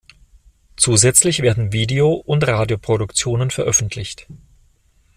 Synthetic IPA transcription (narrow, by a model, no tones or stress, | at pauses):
t͡suːzɛt͡slɪçv̥eːɐdn̩viːdeoʔʊntʁaːdjopʁ̥oɾʊkt͡sjoːnənfɛɐʔœfn̩tʰlɪçt